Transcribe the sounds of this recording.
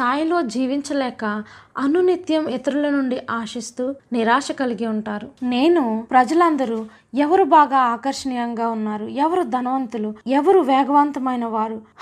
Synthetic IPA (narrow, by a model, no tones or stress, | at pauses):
t̪ʰaːjlo̞ːd͡ʒiːʋiɲt͡ʃɐlɛːkɐɐnunit̪jɐmɛt̪ɐɾulɐnuɳɖiʔaːʂist̪uːniɾaːʂɐkɐliɡiuɳʈaːɾuneːnupɾɐd͡ʒɐlɐnd̪ɐɾu | ɛʋɐɾubaːɡaːaːkɐɾʂɐɳiɐŋɡaːunːaːɾuɛʋɐɾud̪ʱɐnɐʋɐnt̪uluɛʋɐɾuʋɛːɡɐʋaːnt̪ɐmɐjnɐʋaːɾu